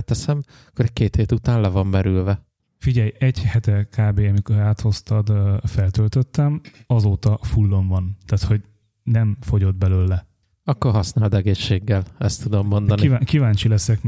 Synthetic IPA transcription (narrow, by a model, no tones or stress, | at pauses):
t̪ːɛsɛm | ɒkːoɾɛc̚keːt̪heːt̪ut̪aːnlɛvɒmːɛɾylvɛ | fiɟɛjɛɟhɛt̪ɛkaːbeːɒmikoɾaːt̪ho̞st̪ɒd̪fɛlt̪ølt̪øt̪ːɛmɒzoːt̪ɒfulːo̞ɱvɒnt̪aːt̪ho̞ɟ | nɛmfo̞ɟo̞d̪bɛløːlːɛ | ɒkːorɦɒsnaːld̪ɛɡeːʃːeːɡːɛlɛst̪ːud̪omːond̪ɒniiakivaːɲt͡ʃilɛsɛk